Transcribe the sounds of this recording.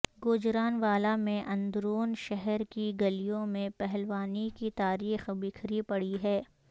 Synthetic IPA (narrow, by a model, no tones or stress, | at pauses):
ɡoːd͡ʒɾaːnʋaːlamẽʔɐ̃nd̪ɾoːnʃɛɦɛɾkiɡɐlijõmẽpɛɦɛlʋaːnikit̪aːɾiːxbɪkʰɾipɐɽiɦɛː